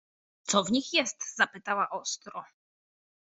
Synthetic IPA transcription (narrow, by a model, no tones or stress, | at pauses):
t̪sɔvɲixjɛst̪z̥apɘt̪awaʔɔst̪ɾɔ